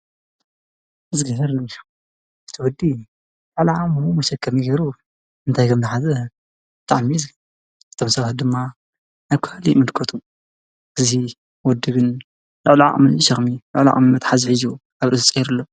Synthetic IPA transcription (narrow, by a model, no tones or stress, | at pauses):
mɨzɡɐhɐɾ | ɨt̪ʰɨwɔd̪ːi | lʊʕluʕakʼmɨmumɐʃɐkʰːɐmjiɡeɾu | ɨnt̪ʰajkʰɐmzɐħazɐ | bɨt̪ʰa̰ʕmizɨ | ɨt̪ʰo̞msɐβat̪̚d̪ɨmːa | naβkʰhlimɨd̪kʰot̪ʰu | ɨzi | wɔd̪ːɨɡɨn | lʊʕluʕa̰ʔʼmɨnʃɐxmilʊ̰ʕla̰ʔʼmɨnːɐt̪ħazħizuʔaβɾʔɨst͡sʼijiɾɨlːo